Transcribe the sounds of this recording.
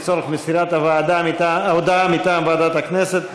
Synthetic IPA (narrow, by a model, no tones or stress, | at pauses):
t͡soleχmesiɾat̪avaːd̪amitaaod̪aamit̪aːmbaad̪at̪akneset̪